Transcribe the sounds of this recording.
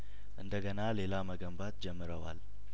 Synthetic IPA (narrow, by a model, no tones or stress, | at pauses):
ʔɨnd̪əɡənalelaməɡəmbat̪d͡ʒɛmːɨɾəwa̰l